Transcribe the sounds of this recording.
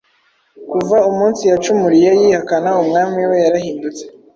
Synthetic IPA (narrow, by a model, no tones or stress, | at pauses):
kuvaumuːnsijat͡ʃumuɾije̞jihakanaumŋaːmiwe̞jaɾahiːndut͡se̥